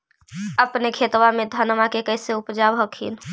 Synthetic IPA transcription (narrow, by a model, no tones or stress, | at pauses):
əpnekʰeːt̪wamẽd̪ʱanmakekɛːseʊpd͡ʒaːbɦəkʰḭːn